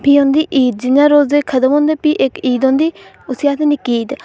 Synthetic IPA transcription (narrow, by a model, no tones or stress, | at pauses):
piːõnd̪iːʔiːd̪̚d͡ʒɪnãːɾoːzeːkʰəd̪əmɦõːnd̪eːpiːʔekiːd̪ɦõːnd̪iː | ʊsiaːt̪ʰenɪkiːd̪